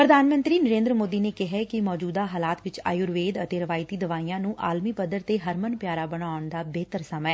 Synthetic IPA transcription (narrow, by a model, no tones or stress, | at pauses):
pɾəd̪ʱaːnmənt̪ɾiːnəɾẽːnd̪ɾəmoːd̪iːneːkɪɦɛːkɪmɔːd͡ʒuːd̪aːɦaːlaːt̪ʋɪt͡ʃa̰ːjʊɾʋeːd̪ət̪eːɾɪʋaːɪt̪iːd̪əʋaːiːãːnũːʔaːlmiːpəd̪əɾt̪eːɦəɾmənpjaːɾaːbəɽaːʊɳd̪aːbeːt̪əɾsəmɛː